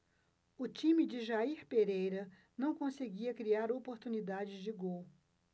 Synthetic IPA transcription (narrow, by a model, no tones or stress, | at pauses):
ʊt͡ʃĩmɪd͡ʒɪʒaiɾpeɾejɾɐ | nɐ̃w̃kõseɡiɐkɾiaɾopoɾt̪unid̪ad͡ʒɪzd͡ʒɪɡow